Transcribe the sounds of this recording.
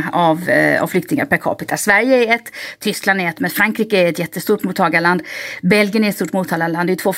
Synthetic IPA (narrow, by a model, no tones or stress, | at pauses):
ava̰vflʏkt̪ɪŋa̰ɾpæɾkʰɑ̰ːpɪt̪ʰasvæɾjəæɾɛt̪ʰːʏskland̪ɛɾɛt̪ːmɛnfɾaŋkʰɾiːkəæɾɛt̪jɛt̪ːəst̪uːʈmuːt̪ʰːɑːɡad̪land̪bɛlɡjənæɾɛt̪st̪uːʈmuːt̪ʰːɑːlaand̪ɛjʏt̪ʰvoː